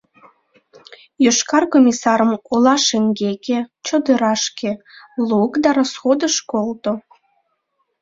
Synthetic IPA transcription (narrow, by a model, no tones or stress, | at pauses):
jøʃkɑrkomʲisɑɾəmolɑʃeŋɡeket͡ɕod̪əɾɑʃke | lukd̪ɑɾosxod̪əʃkolt̪o